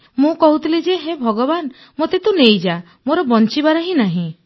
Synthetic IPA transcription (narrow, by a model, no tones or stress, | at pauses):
mũkɔɦut̪ilid͡ʒeɦebʱɔɡɔban | mot̪et̪ũnejd͡ʒa | moɾɔbɔnt͡ʃibaɾɔɦĩnaɦĩ